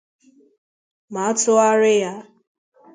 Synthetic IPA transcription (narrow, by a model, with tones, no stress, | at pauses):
ma˨ɔ˦tʊ˦a˦ɾɪ˦ja˦